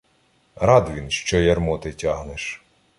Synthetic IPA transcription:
ɾɑd̪ʋʲinʃt͡ʃɔjɐrmɔt̪ɪtʲaɦneʃ

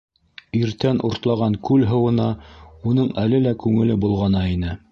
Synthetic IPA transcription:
iɾt̪ænʔuɾt̪lˠɑʁɑŋkʉlɦɤ̆wɤ̆nɑunɤɴælɘlækʉŋɘ̆lɘbulˠʁɑnɑinɘ

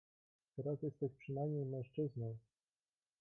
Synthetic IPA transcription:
t̪ɛɾasjɛst̪ɛɕpʂɘnajmʲejmɛ̃ñʂt͡ʂɘznɔ̃w̃

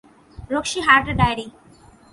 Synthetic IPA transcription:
ɾokʃiɦaɾʈɖajɾi

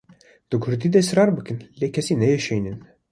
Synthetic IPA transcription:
d̪̥ɨɡʰʊɾd̪iːd̪ɛsɾɑːɾbɨkɨnleːkʰɛsiːnɛjɛʃejnɨn

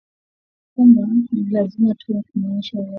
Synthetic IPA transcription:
kumbanilazimatʰuwakumaɲiʃawa

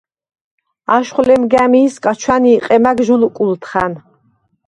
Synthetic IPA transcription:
aʃχlɛmɡamiːskʼat͡ʃʰwaniːqʼɛmaɡʒulkʼult̪ʰχan

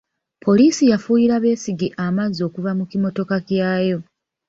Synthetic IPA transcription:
pʰo̞liːsijafuːjiɾaβe̞ːsiɡiʔamazo̞ːkuvamukimo̞to̞kakjaːjo̞

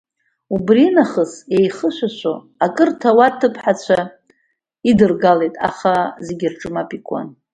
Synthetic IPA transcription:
ubrinaχəse̞jχəʃʷaʃʷo | akʼɨrtʰawatʰɨpʰħat͡ɕʷʰa | idɨrɡale̞jtʼa̰χazeɡʲɪrʈ͡ʂʼɨmapʼikʷʼa̰n

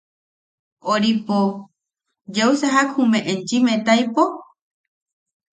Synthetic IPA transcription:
oɾipo | d͡ʒewsaɦakhũmẽʔẽnt͡ʃimet̪ajpo

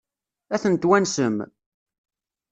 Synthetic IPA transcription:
æθənt̪wænsəm

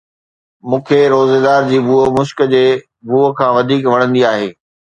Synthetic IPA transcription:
mũːkʰeɾoːzeːd̪aːɾd͡ʑiːbuːəmʊʃkəd͡ʑeː | buːəkʰãːʋɐd̪ʱiːkʋɐɽ̃ə̃nd̪iaːɦeː

